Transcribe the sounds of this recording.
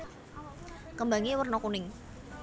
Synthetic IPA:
kəmbaŋiwərnɔkunɪŋ

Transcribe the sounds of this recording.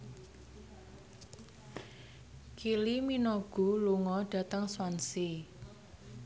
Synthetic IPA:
kiliminɔɡ̥ṳluŋɔɖ̥ä̤t̪əŋswansi

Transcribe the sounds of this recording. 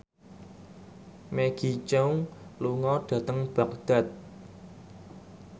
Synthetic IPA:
meɡ̥i̤t͡ʃəwluŋɔɖ̥ä̤t̪əŋb̥a̤k̚d̪̥a̤t̪̚

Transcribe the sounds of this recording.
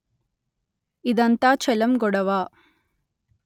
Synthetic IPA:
id̪ɐnt̪aːt͡ʃɛlɐmɡɔɽɐʋaː

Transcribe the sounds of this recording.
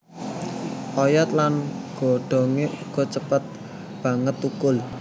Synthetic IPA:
ʔɔjɔt̪lanɡ̥o̤ɖ̥ɔ̤ŋeʔuɡ̥ɔ̤t͡ʃəpət̪̚ | b̥a̤ŋət̪ukʊl

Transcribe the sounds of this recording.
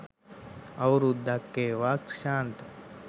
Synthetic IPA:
ɐwɾud̪ːakːeʋakɾʃaːnt̪

